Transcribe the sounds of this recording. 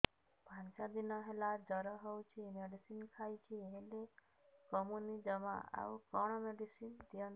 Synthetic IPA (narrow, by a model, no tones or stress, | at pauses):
bʱansad̪inɔɦelad͡ʒəɾɔɦɔwt͡ʃʰimeɖisinkʰajt͡ʃʰiɦele | kɔmunid͡ʒəmã̰a̰ukɔɽ̃ɔmeɖisind̪ijən